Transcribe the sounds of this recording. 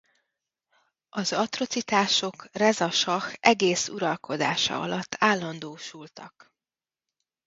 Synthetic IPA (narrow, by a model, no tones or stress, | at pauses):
ʔɒzɒt̪ro̞t̪sit̪aːʃo̞krɛzɒʃɒxʔɛɡeːsṵɾɒlkʰo̞d̪aːʃɒ̰ɒ̰lɒt̪ʰːaːlːɒnd̪oːʃult̪ɒk